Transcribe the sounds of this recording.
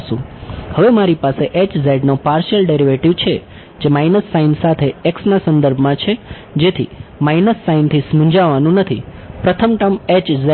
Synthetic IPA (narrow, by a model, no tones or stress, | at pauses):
ʃṵ̃həʋemaɾipaseʔet͡ʃzeɖnopaɾʃəlɖeɾiʋeʈiʋt͡ʃʰe | d͡ʒemajnəsːainsat̪ʰeeksnasə̃nd̪əɾbʱmãt͡ʃʰe | d͡ʒet̪ʰḭmajnəsːaint̪ʰismũɲd͡ʒaʋanũnət̪ʰipɾət̪ʰəmʈəmet͡ʃze